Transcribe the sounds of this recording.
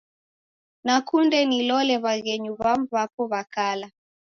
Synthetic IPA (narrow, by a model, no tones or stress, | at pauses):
nakundɛnilɔlɛβaɣɛɲuβamβapɔβakala